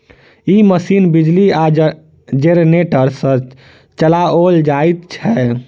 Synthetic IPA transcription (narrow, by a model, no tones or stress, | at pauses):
iməsiːnbid͡ʒlia | d͡ʒeɾneʈəɾsə̃ | t͡ʃəlaold͡ʒajt̪t͡ʃʰɛ